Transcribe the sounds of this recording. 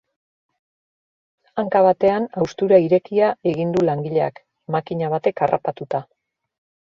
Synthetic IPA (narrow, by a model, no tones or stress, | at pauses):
aŋkaβ̞at̪e̞anawst̪uɾaiɾe̞kiae̞ɣind̪ulaŋɡiʎe̞a̰k | makiɲaβ̞at̪e̞karʔa̰pat̪ut̪a